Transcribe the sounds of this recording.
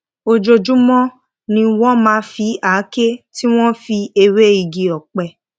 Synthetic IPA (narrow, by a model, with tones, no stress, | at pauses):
o˧d͡ʒo˧d͡ʒũ˦mɔ̃˦ | nĩ˧wɔ̃˦mãː˧˦fi˧˦a˨˦ke˦ti˦w̃ɔ̃˦fi˧e˧ɾe˦i˧˨ɡi˨ɔ˨k͡pɛ˧˨